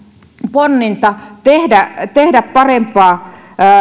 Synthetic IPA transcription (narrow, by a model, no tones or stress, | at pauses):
ponːint̪ɑt̪ehdæt̪ehdæppɑrempɑː